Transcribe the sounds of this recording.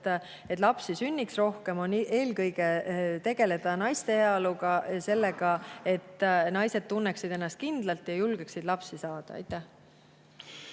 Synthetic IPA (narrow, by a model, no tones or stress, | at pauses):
et̪ːˑlɑpsisynʲːiksro̞hke̞mo̞ne̞ːlkɤjɡ̥e̞t̪e̞ɡ̥e̞le̞d̪̥ɑnɑjst̪e̞heɑluɡ̥ɑse̞lːe̞ɡ̥ɑe̞t̪ːˑnɑjse̞d̪̥̚t̪ːunːeksid̪̥e̞nːɑst̪̚kind̪̥lɑlt̪ˑjɑjulɡ̥eksid̪̥lɑpsisɑːd̪̥ɑ̰ɑ̰jt̪ːˑæh